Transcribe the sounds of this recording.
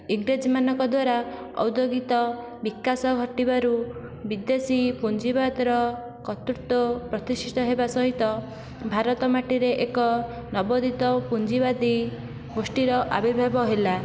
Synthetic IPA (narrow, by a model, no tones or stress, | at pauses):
iŋɡɾed͡ʒmanɔkɔd̪waɾa | ɔ̰wd̪joɡit̪ɔ | bikasɔɡʱɔʈibaɾu | bid̪esipund͡ʒibad̪ɾɔ | kɔt̪uɾt̪ɔpɾɔt̪isit̪ɔɦebasɔɦit̪ɔ | bʱaɾɔt̪ɔmaʈiɾeʔekɔ | nɔbɔd̪it̪ɔpund͡ʒibad̪i | ɡosʈiɾɔʔa̰bibʱabɔɦela